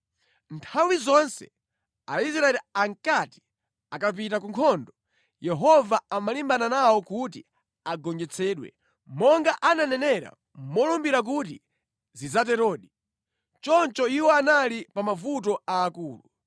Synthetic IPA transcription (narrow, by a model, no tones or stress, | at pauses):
ntʰawizɔnsɛ̰ | aisɾaɛlaŋkati̥ | akap̬itakuŋkʰɔndɔ | jɛɦɔvaamalimbananawɔkut̬i | aɡɔnd͡ʒɛt͡sʰɛːɗwɛ̰ | mɔŋɡaʔananɛnɛɾa̰ | mɔlumbiɾak̬utḭ | zizat̬ɛɾɔːɗi | t͡ʃɔnt͡ʃɔiwɔanalipamavut̬ɔaːkuːlu